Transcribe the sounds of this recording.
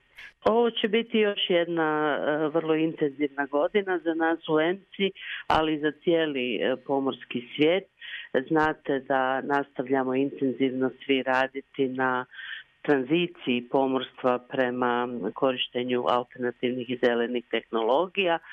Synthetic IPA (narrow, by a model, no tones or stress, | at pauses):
o̞ʋo̞t͡ɕe̞bit̪ijo̞ʃje̞d̪naʋər̩lˠo̞int̪e̞nziʋnaɡo̞d̪inazanaːsue̞msia̰lizat̪sijeːlipo̞mo̞ɾskisʋʲje̞ːt̪znaːt̪e̞d̪anast̪aʋʎamo̞int̪e̞nziʋno̞sʋiɾaːd̪it̪inat̪ɾanzit̪siːpo̞mo̞ɾst̪ʋapɾe̞makʰo̞ɾiʃt̪e̞ɲuʔa̰lˠt̪e̞ɾnat̪iʋnixize̞le̞nixt̪e̞xno̞lˠo̞ɡija